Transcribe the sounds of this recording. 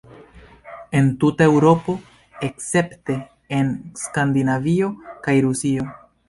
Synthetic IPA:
e̞ntutae̞wɾo̞po̞ | e̞kt͡se̞pte̞ː | nskandinavio̞kajɾusio̞

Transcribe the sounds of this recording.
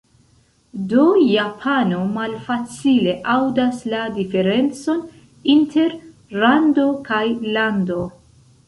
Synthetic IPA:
dojapʰano̞malfat͡sile̞ʔawdasladife̞ɾe̞nt͡so̞n | intʰe̞ɾ | lando̞kajlando̞

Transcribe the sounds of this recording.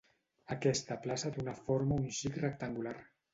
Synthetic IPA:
əkɛst̪əplasəd̪unəfoɾmaunʃikrək̚t̪aŋɡulaɾ

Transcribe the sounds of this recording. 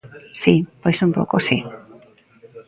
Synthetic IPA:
sipojsumpɾo̰kosi

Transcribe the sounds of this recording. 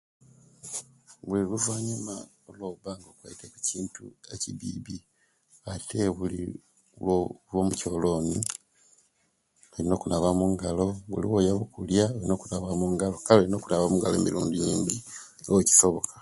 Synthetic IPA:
βuliβuvaːɲima | oloːβaŋɡo̞ːkwa̰iteku̥ciːntue̞ciβiβi | atʰe̞βuli | βwomuco̞ːlo̞ni | eɾino̞ːkunaβamuŋɡalo̞βṵlḭwojaβukuljaeɾino̞ːkunaβamuŋɡalo̞kaleɾino̞ːkunaβamuŋɡa̰loḛmḭlṵːndiɲiːmbi | noweci̥so̞βo̞kḁ

